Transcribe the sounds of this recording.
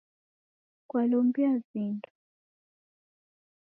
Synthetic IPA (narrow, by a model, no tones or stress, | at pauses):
kwalɔmbiazindu̥